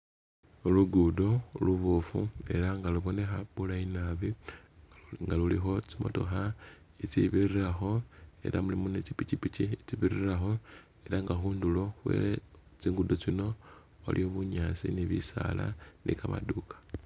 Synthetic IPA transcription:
luɡudo̞luβufue̞ɾaŋɡaluβo̞ne̞xaβulainaβi | ŋɡalulixo̞t͡simo̰to̞̰xa | it͡siβiriraxo̞e̞̰ɾʔamulimunet͡sipit͡ʃipit͡ʃit͡siβiriraxo̞ | e̞ɾaŋɡaxuːndulo̞βwḛlet͡siːŋɡudot͡sino̞ | wa̰lioβuɲaːt͡sḭniβḭsa̰la̰nʔḭkama̰dukḁ

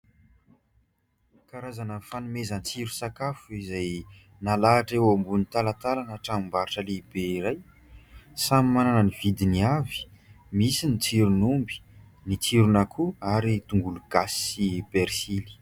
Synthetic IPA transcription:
kaɾazanəfanumezənt͡siɾusakafuizaj | nalaːʈ͡ʂewambunit̪alat̪alanəʈ͡ʂamimbaɾaʈ͡ʂəlebeiɾaj | samimananəniv̥id̪iniavi̥ | misinit͡siɾunumbi̥ | nit͡siɾunakʰuaɾit̪uŋɡuluɡ̥asi̥ipeɾsili̥

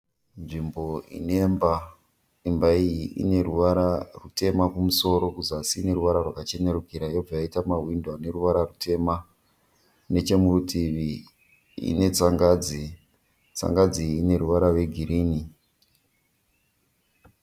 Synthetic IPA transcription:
nʐimbo̞ḭne̞mba | imbaijiʔḭne̞ruʋaɾarute̞makumuso̞ɾo̞kuzasiːne̞ɾuʋaɾarwakat͡ʃe̞neɾukiɾajo̞b͡vajaitamaɦwindwane̞ruʋaɾarutʰe̞ma | ne̞t͡ʃe̞murutʰiʋi | ḭne̞t͡saŋɡad͡zi | t͡sa̰ŋɡad͡ziːne̞ɾuʋaɾarwe̞ɡʱiɾiːni

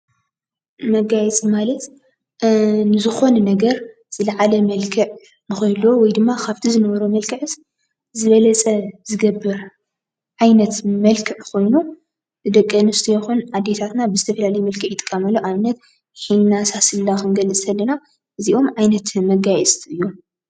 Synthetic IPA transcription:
mɐɡajɛt͡sʼmalɐt̪ | nɨzɨxo̞nnɐɡɐɾ | z̥ɨlɐʕalɐmɐlkʰɨʕ | nɨxojlːwowɔjd̪ɨmːakʰaβt̪ʰizɨnɐβɐɾomɐlkʰɨʕɨs | zɨβɐlɐt͡sʼɐzɨɡɐbːɨɾ | ʕajnɐt̪mɐlkʰɨʕkʰo̞jnu | ɨd̪ɐkʼːɐnust̪ʰɐjɛxunʕad̪ːet̪ʰat̪nabɨzɨt̪ʰɐfɐlalɐjmɐlkʰɨʕjɪt̪ʼɨ̥kʼːɐmɐlːoʔaβnɐt̪ | ħinnasasɨlːakɨnɡɐlːɨt͡s̪ʼʰɐlːɐna | ʔɨziʔo̞mʕajnɐt̪mɐɡajɛt͡s̪ʼʰɨjːo

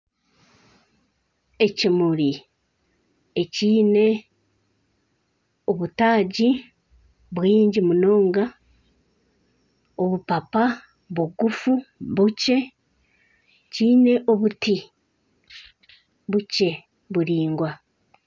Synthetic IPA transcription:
e̞cimuɾi | eciːne̞ | o̞βutaːɟi | βwiːɲɟimuno̞ːŋɡa | o̞βupapa | βuɡufuβuce̞ | ciːne̞ʔo̞βuti | βuce̞ | βuɾiːŋɡwa

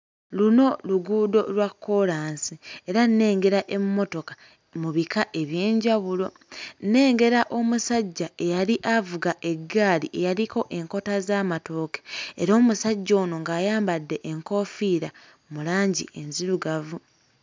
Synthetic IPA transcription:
luno̞luɡuːdo̞lwakːo̞ɾaːnsie̞ɾanne̞ːŋɡe̞ɾaʔe̞mmːo̞to̞kḁ | muβikʰaʔe̞βjeːɲɟaβulo̞ | nːe̞ːŋɡe̞ɾaʔo̞musaɟːaʔe̞jaliʔavuɡaʔe̞ɡːaːlḭʔe̞jaliko̞ʔe̞ŋko̞tazaːmato̞ːke̥eɾo̞ːmusaɟːoːno̞ŋɡaːjaːmbadːe̞ʔeŋko̞ːfiːɾa | mulaːɲɟḭʔe̞nziɾuɡavu

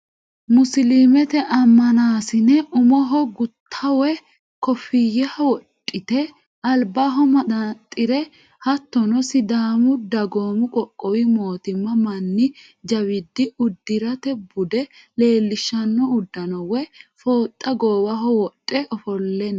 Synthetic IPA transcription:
mʊslimɛt̪ɛʔɐmːɐnaːsɪnɛʔʊmɔɦɔɡʊt̪ʰːɐwɛ | kɔfɪjɛhɐwɔtʼːɪt̪ɛ | ɐlbaɦɔmɐd̪ɐt̪ʼːɪɾɛ | hɐt̪ːɔnɔsɪd̪aːmʊd̪ɐɡoːmʊkʼɔkʼːɔwɪmo̞ːt̪ɪmːɐmɐnːɪ | d͡ʒɐwɪd̪ːɪʊd̪ːɪɾɐt̪ɛbʊd̪ɛ | le̞ːlːɪʃːɐnːɔʊd̪ːɐnɔwɛfoːt̪ʼːɐɡoːwɐɦɔwɔtʼːɛʔɔfɔlːɛnː

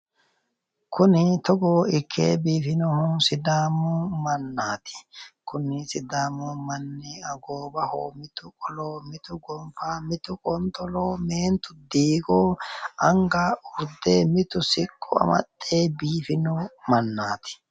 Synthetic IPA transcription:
kʊnɪt̪ɔɡoːɪkʰːḛːbiːfɪnɔhʊsɪd̪aːmʊmɐnːaːt̪ɪ̥kʊnɪsɪd̪aːmʊmɐnːɪɐɡoːbɐho̰ːmɪt̪ʊkʼɔloːmɪt̪ʊɡɔmfaːmɪt̪ʊkʼɔnt̪ɔloːme̞ːnt̪ʊd̪iːɡoːɐŋɡaʊɾd̪eːmɪt̪ʊsɪkʼːʊ̰ɐ̰mɐ̰t̪ʼːe̞ːbiːfɪnɔmɐnːaːt̪ɪ̥

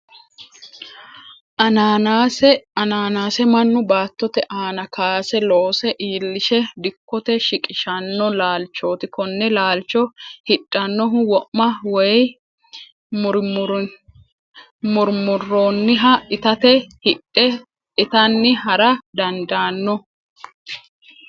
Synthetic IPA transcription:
ɐaaɐnaːnaːsɛmɐnːʊbaːt̪ːɔt̪ɛʔaːnɐkaːsɛloːsɛʔiːlːɪʃɛd̪ɪkːɔt̪ɛʃɪkʼɪʃɐnːɔlaːlt͡ʃːo̞ːt̪ɪkɔnːɛlaːlt͡ʃːɔhɪᶑʼːɐnːɔɦʊwɔʔmɐwɔj | mʊɾ | mʊɾmʊrːoːnːɪɦɐʔɪt̪ɐt̪ɛhɪᶑɛ | ɪt̪ɐnːɪɦɐɾɐd̪ɐnd̪aːnːɔ

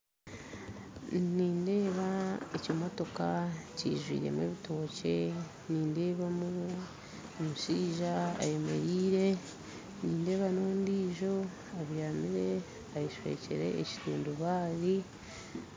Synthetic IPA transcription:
niːnde̞ːβaecomo̞to̞kacḭːʒwḭːɾe̞̰mwe̞ːβito̞ːce̞ | niːnde̞ːβamu | omuʃiːʒaa̰je̞me̞̰ɾiːɾe̞ | niːnde̞ːβanoːndiːʒo̞ | aβjaːmiɾe̞ | ajiʃwe̞̰cḛɾe̞̰ːci̥tuːnduβaːɾi

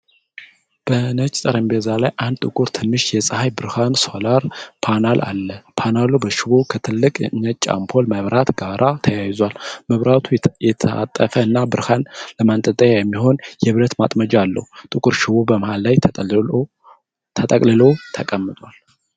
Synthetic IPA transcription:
b̥ənət͡ʃʼt̪ʼəɾəmbezalajʔand̪̚t̪ʼɨkʼʊɾt̪ʰɨnːɨʃjɛsʼəhajbɨɾhanso̞laɾpʰanalʔa̰lːəpʰanalubəʃɪβokʰət̪ʰɨlːɨkʼɲːət͡ʃʼːa̰mpʰo̞lmaβɾat̪ɡaɾʔat̪ʰəjajzwalməβɾat̪ʰujɛt̪ʰəa̰t̪ʼːəfəɨnːabɨɾhanləmant̪ʼət̪ʼəjajɛmːiho̞njɛβɾət̪mat̪ʼməd͡ʒalːə̰hut̪ʼɨkʼuɾʃɪβobəmahalːaj | t̪ʰət̪ʼəkʼlɨlot̪ʰəkʼəmːɨt̪ʼwal

